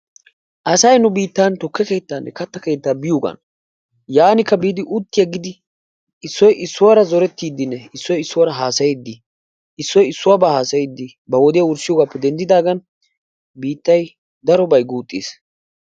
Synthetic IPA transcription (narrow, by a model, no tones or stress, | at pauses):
ʔɐsɐjnʊbiːt̪ːaːnt̪ɔkːɛke̞ːt̪ːaːnːɛkɐt̪ːɐke̞ːt̪ːaːbɪjoːɡɐ̰n | jaːnɪkːɐbiːd̪ɪʔʊt̪ːɪjɐɡɪd̪ɪ | ɪsːɔjɪsːʊwaːɾɐzɔɾɛt̪ːiːd̪ːɪnːɛɪsːɔjɪsːʊwaɾɐɦaːsɐjɛd̪ːɪ | ɪsːɔjɪsːʊwaːbahaːsɐjɪd̪ːɪ | bɐwɔd̪ɪjɐʊɾsɪjɔɡaːpːɛd̪ɛnd̪ɪd̪aːɡɐn | biːt̪ːɐj | d̪ɐɾɔbɐjɡuːt̪ʼːḭːs